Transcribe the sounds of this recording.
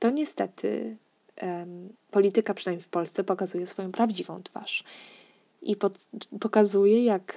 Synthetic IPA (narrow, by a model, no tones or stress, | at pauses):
t̪ɔɲɛst̪ɛt̪ʰɘ̰ | pɔlʲit̪ɘkapʂɛnajmʲifpɔlst̪sɛpɔkazujɛsfɔjɔ̃w̃pɾavd͡ʑivɔ̰̃w̃t̪fa̰ʂ | ʔipɔpɔkazujɛjak